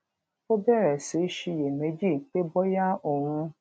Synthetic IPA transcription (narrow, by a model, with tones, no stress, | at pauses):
fo˦bɛ˦˨ɾɛ˨se˨˦ʃi˧je˨me˨˦d͡ʒi˦˨˦k͡pe˦bɔ˦ja˦o˨ɾ̃ũ˧˦